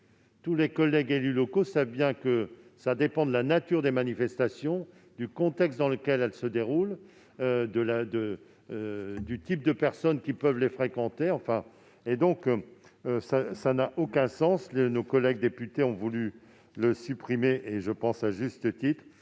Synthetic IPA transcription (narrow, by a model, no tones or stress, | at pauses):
t̪ulekɔlɛɡelylɔkosavbjɛ̃kəsad̪epɑ̃d̪əlanat̪yʁd̪emanifɛst̪asjɔ̃ | d̪ykɔ̃t̪ɛkst̪̚d̪ɑ̃ləkʲɛlɛlsəd̪eʁul | ød̪əlad̪ə | d̪yt̪ip̚d̪əpɛʁsɔnkʲipœvlefχekɑ̃t̪eɑ̃fɛ̃ | ed̪ɔ̃k | sasanaʔokɛ̃sɑ̃slenokɔlɛɡ̚d̪epyt̪eɔ̃vuly | ləsypχimeʔeʒəpɑ̃saʒyst̪ət̪it̪χ